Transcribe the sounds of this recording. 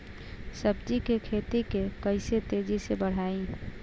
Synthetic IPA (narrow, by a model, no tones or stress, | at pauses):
səbd͡ʒikekʰet̪ikekəɪset̪ed͡ʒisebəɽ̤aːĩ